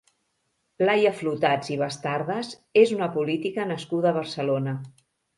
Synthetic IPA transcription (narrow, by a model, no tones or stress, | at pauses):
lajəflut̪ad͡ziβ̞əst̪aɾðəz | ezunəpulit̪ikənəskuðəːβ̞əɾsəlonə